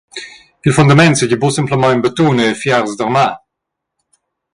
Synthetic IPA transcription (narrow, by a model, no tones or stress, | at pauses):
ilfundamɛntsɪɟəbosɪmpləmɑ̃ənbətuːnəəfjaʁzdəʁmaː